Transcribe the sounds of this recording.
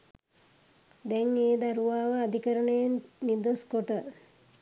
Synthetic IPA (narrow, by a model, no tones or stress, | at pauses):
d̪ɛŋeːd̪aɾuʋaːʋəːd̪ikəɾəɳəjenːid̪oskoʈə